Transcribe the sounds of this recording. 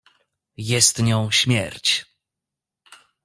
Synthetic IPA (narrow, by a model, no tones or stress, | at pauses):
jɛst̪ɲɔ̃w̃ɕmʲjɛ̰ɾt͡ɕ